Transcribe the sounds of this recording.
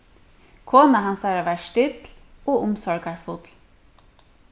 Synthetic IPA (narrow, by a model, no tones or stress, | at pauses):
kʰoːnɑɦɑnsæɾaːʋæːʃtʏd̪loːʔʊmsɔɹɡaɹfʊd̪̥l